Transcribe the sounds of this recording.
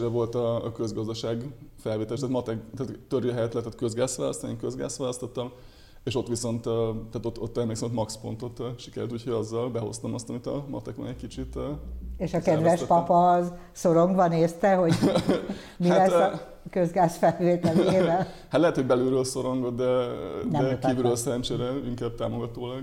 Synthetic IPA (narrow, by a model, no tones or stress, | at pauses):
ɾɛvo̞lt̪ɒːkøzɡɒzd̪ɒʃaːɡfɛlʋeːt̪ɛlːeʃt̪ːt̪mɒt̪ɛkt̪aːt̪t̪øɾjøɦɛjɛt̪lɛt̪ːɛt̪køzɡaːsʋaːlɒ̰st̪ɒnieŋkøzɡa̰ːsʋaːlɒst̪ot̪ːɒm | eːʃo̞t̪ʋiso̞nt̪ːt̪aːt̪ot̪ːo̰t̪ːɛmleksɛmot̪mɒkspo̞nt̪o̞t̪ʃi̥kɛɾylt̪uːcʰhoɟɒzːɒlbɛɦo̞̰st̪ɒmɒst̪ɒmit̪ɒmɒ̰t̪ɛkʋɒ̰nɛc̚ʲkit͡ʃit̪ːeʃɒkɛd̪ʋɛʃpɒpɒz | so̞ɾoŋɡbɒneːst̪ɛɦo̞ɟ | mialɛsː | køzɡaːsfɛlveːt̪ɛleeːvɛl | hat̪lɛɦɛt̪hoɟbɛlyːɾølso̞ɾo̞ŋɡo̞t̪̚d̪ɛndɛkiːvyːɾøːlsɛɾɛnt͡ʃeːɾɛiŋkaːb̚t̪aːmo̞ɡɒt̪oːlɒɡ